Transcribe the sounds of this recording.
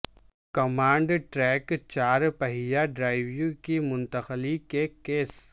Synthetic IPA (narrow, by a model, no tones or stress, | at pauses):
kɐmãːɳɖʈɾɛːkt͡ʃaːɾpəɦijaɖɾaːɪʋjũkimʊ̃nt̪əxlikekeːs